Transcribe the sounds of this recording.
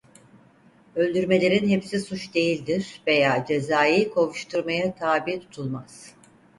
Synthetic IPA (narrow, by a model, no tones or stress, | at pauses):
ø̞lʲd̪yɾme̞lʲe̞ɾinɦepsisut͡ʃd̪e̞jilʲd̪iɾ̥ve̞jaːd͡ʒe̞zaːjiːkʰovuʃt̪ʰuɾmajat̪ʰaːbiːt̪ʰu̥t̪ʰulˠmaz̥